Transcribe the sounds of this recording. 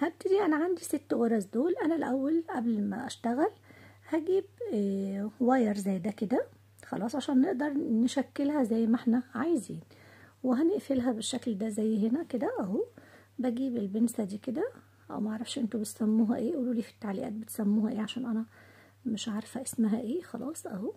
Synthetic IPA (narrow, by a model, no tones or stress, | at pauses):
hæb̚t̪ːɪd̪iːʔænæʕand̪iset̪ːwɑɾˤɑzd̪oːlʔænælʔæwːælʔæblmæ̰ʔæʃt̪æɣæl | hæɡiːb | wæjɑɾˤzæjːd̪æked̪æ | xɑlɑːsˤʕaʃæːnːeʔd̪ɑɾˤnʃækːelhæzæjːmæʔeħnæʕajziːnweɦæneʔfelɦæbeʃːækld̪æzæjːɦenæked̪æʔæhu | bæɡiːbelbensæd̪iːked̪æ | ʔæ̰wmæʔaʕɾˤɑfʃʔent̪obet̪sæmːuːɦæʔeːʔuluːliːfi̥t̪ːaʕliʔæ̰ːt̪̚bet̪sæmːuːhæʔeːʕaʃæːnʔænæ | mɪʃʔaʕɾˤɑfæʔesmæɦæʔeːxɑ̰lɑ̰ːsˤʔæ̰hu